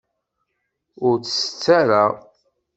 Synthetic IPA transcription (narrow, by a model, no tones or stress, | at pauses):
ʊɾt͡sːə̥sə̥t͡sːaɾaʁ